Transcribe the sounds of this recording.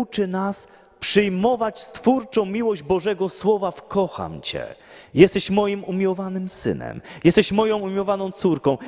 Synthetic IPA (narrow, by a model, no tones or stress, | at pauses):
ut͡ʂɘnas | pʂɘjmɔvat͡ɕst̪fuɾt͡ʂɔ̃w̃mʲiwɔʑd͡ʑbɔʐɛɡɔswɔvafkɔxa̰mt͡ɕɛ̰ | jɛst̪ɛɕmɔjimumʲiwɔvanɘmsɘ̰nɛ̰mjɛst̪ɛɕmɔjɔ̃w̃umʲiwɔvanɔ̃w̃t̪suɾkɔ̃w̃